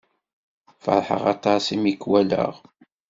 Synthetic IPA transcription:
fə̰ɾˤħə̰ʁɑt̪ˤɑsimikːwælə̰ʁ

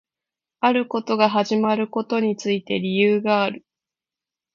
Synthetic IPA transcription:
aɾɯ̟ko̞t̪o̞ɡaɦaʑimaɾɯ̟ko̞t̪o̞ɲ̟it͡sɨit̪e̞ɾʲijɯːɡaːɾɯ̟

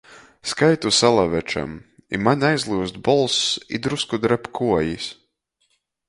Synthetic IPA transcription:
skajt̪usalˠavɛt͡ʃa̰m | ḭmanʲajzlˠuːsd̪bɔlˠsḭd̪ɾuskud̪ɾɛpkʰuɔjisʲ

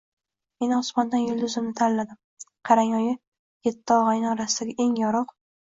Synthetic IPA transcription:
me̞nɪʊsmɒnd̪anjʊlˠd̪ʊzɪmnɪt̪ʰanllad̪ɪm | qʰɑɾaŋɒjɪ | jet̪ʰːɪɒʁajnɪɒɾasɪ̥d̪aɡʲaʔe̞ŋjɒɾɨq

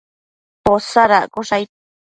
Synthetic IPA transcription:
posaɾakuʂaj

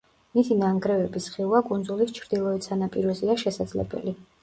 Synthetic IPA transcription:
mit̪ʰinaŋɡɾɛvɛbisχiuvakʼund̪zulist͡ʃʰɾd̪ilˠɔɛt̪sanapʼiɾɔziaʃɛsad̪zlɛ̰bɛ̰li

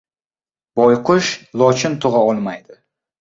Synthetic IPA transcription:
b̥ɒjqʰʊʃlˠɒt͡ʃʰɪnt̪ʰʊʁɑɒlˠmajd̪ɪ

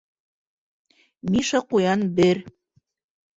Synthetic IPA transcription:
miʃɑqujɑnbɘɾ

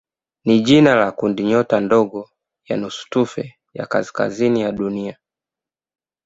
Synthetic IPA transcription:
niʄinalakundiɲɔtandɔɡɔ | janusu̥tufɛ | ja̰ka̰si̥ka̰zinijaɗunia

